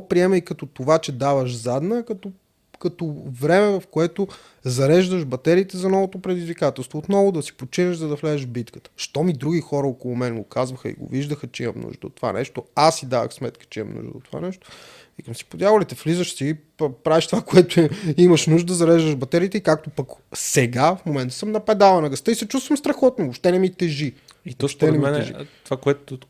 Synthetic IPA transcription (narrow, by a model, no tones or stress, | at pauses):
pɾiɛmɛikɐt̪ɔt̪ovat͡ʃɛd̪avəʃzad̪nəkɐt̪o | kɐt̪ovɾɛmɛvɐfkoɛt̪o | zɐɾɛʒd̪əʃbɐt̪ɛɾiːt̪ɛzɐnɔvot̪opɾɛd̪izvikat̪ɛlˠst̪voːt̪nɔvʊd̪ɐsi̥pot͡ʃinəʒzɐd̪ɐflɛzəʒbit̪kə̥t̪ə̥ʃt̪ɔmid̪ɾuɡixɔɾəokolˠʊmɛnɡokazvəxə̰ḭɡo̰viʒd̪əxət͡ʃɛimɐ̰mnṵʒd̪ə̰o̰t̪ːova̰nʔɛ̰ʃt̪oasid̪avə̰xsmɛt̪kə̥t͡ʃɛimɐ̰mnṵʒd̪ə̰ot̪ːova̰nɛʃt̪o̥ | ikɐmsi̥pod̪ʲjavolit̪ɛflizəʃsi | pɾavɛʃt̪ovakoɛt̪ʊimɐʃnuʒd̪əd̪əzɐɾɛʒd̪əʒbɐt̪ɛɾiːt̪ɛikak̚t̪opɐksɛɡafmomɛnt̪ə̥səmnɐpɛd̪alˠɐnɐɡəst̪ɤisɛt͡ʃust̪vəmst̪ɾɐxɔt̪novopʃt̪ɛnɛmit̪ɛʒi | it̪ɔʃt̪ɛnɛɛmɛnɛʒḭt̪vakoɛt̪ʊt̪